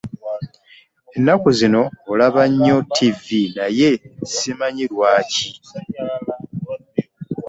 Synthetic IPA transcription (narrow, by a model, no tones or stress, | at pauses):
e̞nːakuzino̞ːlaβaɲːo̞tʰivinaje̞simaɲilwaːci